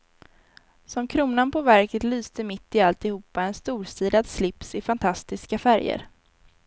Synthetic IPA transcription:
sɔmkʰɾuːnanpʰɔvæɾkət̪lyːst̪əmɪt̪ːɪalt̪ɪhuːpːaɛnst̪uːɾsiːd̪ad̪slɪpsɪfant̪ʰast̪ɪskafæɾjə̰ɾ

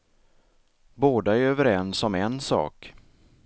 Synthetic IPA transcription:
boːd̪aæɾøːvəɾɛnsːɔmɛnsɑ̰ːk

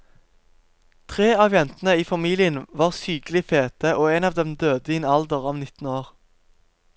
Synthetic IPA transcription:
t̪ʰʁeːɑːʋjɛnt̪n̩əiːfɑmiːlɪənʋɑːʁsyːɡlɪfeːt̪əʔoːɛnɑːʋd̪ɛmd̪øːd̪əɪnɑld̪əʁɔmnɪt̪n̩oːʁ

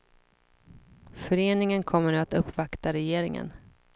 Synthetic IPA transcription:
fœɾeːnɪŋənkʰɔmːəɳːat̪ɵpːvakt̪aɾɛjeːɾɪŋə̰n

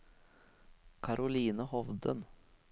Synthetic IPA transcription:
kʰɑɾʔʊliːnəhɔʋd̪ə̰n

